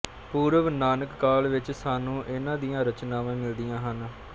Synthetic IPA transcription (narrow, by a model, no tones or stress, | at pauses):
puːɾəʋnaːnəkːaːlʋɪt͡ʃsaːnũːʔɪnãːd̪ijãːɾət͡ʃnãːʋãːmɪld̪ijãːɦən